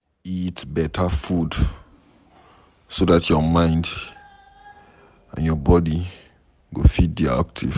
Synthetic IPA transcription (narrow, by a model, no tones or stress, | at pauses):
itbɛtʰafud | sodatʰjɔmãɪ̃nd | ã̰njɔbɔdi | ɡofit̚dia̰k̚tʰiv̥